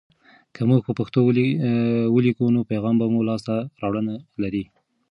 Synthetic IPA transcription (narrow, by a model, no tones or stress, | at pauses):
kʰəmuɡpəpaxt̪o | wəlikunopajɣɑmbamulɑst̪aɾɑwɽənalaɾi